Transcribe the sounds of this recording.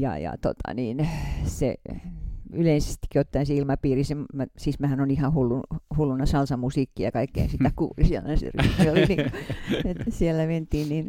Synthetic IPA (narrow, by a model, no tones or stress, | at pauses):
jɑ̰jɑ̰t̪o̰t̪ɑ̰niːnsḛ | yleinse̥st̪i̥kːiot̪ːɑinseilmɑpiːrisemmæsismæhænonihɑhulːuhulːunɑsɑlsɑmusiːkːijɑkɑikːḛinsit̪ːækuːlisielænsḛryhmioliniːŋesielːæment̪iːnnin